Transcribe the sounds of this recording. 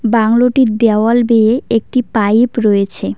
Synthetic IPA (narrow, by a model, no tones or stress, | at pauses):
baŋloʈid̪ɛoalbeeek̚ʈipajpɾɔet͡ɕʰe